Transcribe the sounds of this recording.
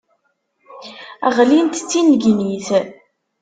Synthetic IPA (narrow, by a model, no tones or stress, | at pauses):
æ̰ʁlint̪t͡sːinɡniθ